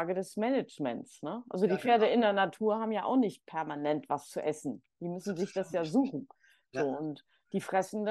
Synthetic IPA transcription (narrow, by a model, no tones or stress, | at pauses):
ɡədɛsmɛnɛt͡ʃmɛ̰nt͡snəʔa̰lzodiːfeːɐdəɪndeɐnatʰuːɐɦaːbm̩jaːʔa̰ʊxnɪçt̚pʰɛɐmanɛntv̥ast͡suʔɛsn̩ | d̥iːmʏsn̩zɪçd̥asjaːzuːxn̩ | zoːʊnt | d̥iːfʁ̥ɛsn̩d